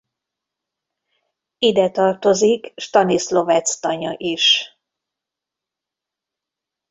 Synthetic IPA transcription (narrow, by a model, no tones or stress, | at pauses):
id̪ɛt̪ɒrt̪o̞zikʃt̪ɒnislo̞vɛt̪st̪ɒɲɒʔiʃ